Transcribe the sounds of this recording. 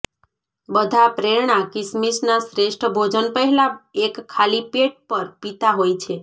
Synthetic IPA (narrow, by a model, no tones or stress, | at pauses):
bəd̪ʱapɾeɾɳakɪsmisnasɾeʃʈʰəbʱod͡ʒənpəɦɛlaekʰːalipeʈ̚pəɾpit̪aɦojt͡ʃʰe